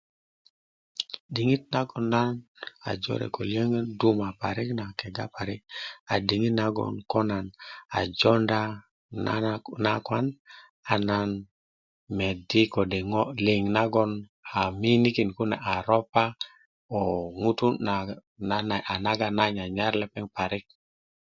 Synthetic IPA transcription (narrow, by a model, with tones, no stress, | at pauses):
di˨ŋi˦t̚na˦ɡɔ˨nːa˦na̰˨d͡ʒɔ̰˦ɾɛ̰˨ko˨lje˦ŋe˦ndu˦ma˨pa˨ɾi˦kna˨kɛ˨ɡa̰˦pa˨ɾi˦k̚a˨di˨ŋi˦tna˦ɡɔ̰˨nkɔ˦na˨na̰˨d͡ʒɔ˦nda˦ | nna˦kwa˦n | a˨na˨n | me˨di˦ko˨de˨ŋo˦li˨ŋna˦ɡɔ˦na˨mi˦ni˦ki˨nku˦na̰˨ʔa˨ɾo˦pa˦ | o˨ŋu˦t̪u˦a | ana˨a˨na˦ɡa˦na˦ɲa˨ɲa˦ɾlɛ˦pɛ˦ŋpa˨ɾi˦k̚